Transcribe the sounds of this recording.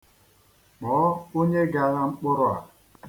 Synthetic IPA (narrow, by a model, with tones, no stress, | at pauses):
mɔː˨˦o˦ɲe˦ɡa˨ɾa˦ŋ͡m̩˦k͡pʊ˦ɾʊ˦a̰˨